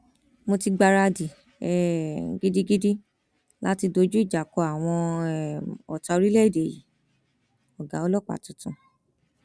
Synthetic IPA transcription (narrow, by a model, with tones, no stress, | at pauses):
mo˧ti˧ɡ͡ba˧ɾa˧di˨ | ɛ˨ɡi˦di˦ɡi˦di˦ | la˦ti˧do˧˦d͡ʒu˦i˦˨d͡ʒa˨kɔ˧a˨w̃ɔ̃˧ | ɔ˨ta˧o˧ɾi˦lɛ˦˨i˨de˨jḭ˨˦ | ɔ˨ɡa˨˦ɔ˦lɔ˦˨k͡pa̰˨tũ˨˧tũ˧